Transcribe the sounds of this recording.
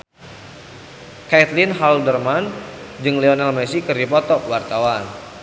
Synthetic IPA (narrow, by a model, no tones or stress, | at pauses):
kajt̪linɦaldərmand͡ʒɨŋlɛɔnalmɛsikɨrdipɔt̪ɔwart̪awan